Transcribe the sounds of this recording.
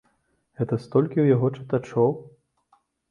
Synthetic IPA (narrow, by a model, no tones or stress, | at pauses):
ɣɛt̪ɐst̪ɔlʲkʲiwjaɣɔt͡ʂɨ̥t̪at͡ʂɔw